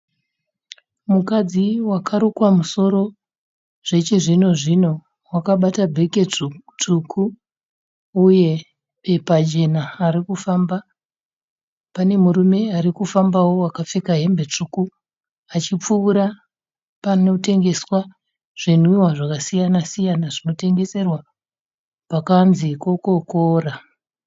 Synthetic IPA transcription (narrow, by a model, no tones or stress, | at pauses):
mukad͡ziwakʰaɾukwamuso̞ɾo̞ | ʐ̥e̞t͡ʃiʐino̞ʐino̞ | wakaɓatabʱe̞ket͡ʂukʰu | uje̞ | epad͡ʒe̞naːɾikufamba | pane̞muɾume̞aɾikufambawo̞wakap͡fekaɦe̞mbe̞t͡ʂuku | at͡ʃip͡fuːɾa | pano̞te̞ŋɡe̞swa | ʐ̥in̤wiwaʐakasijanasijanaʐino̞te̞ŋɡe̞se̞rwa | pakanziko̞ko̞koːra